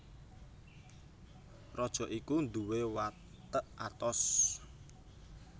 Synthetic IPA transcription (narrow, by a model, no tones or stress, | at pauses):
rɔd̥ʒ̥ɔ̤ʔikund̪uwewa | t̪əʔat̪ɔs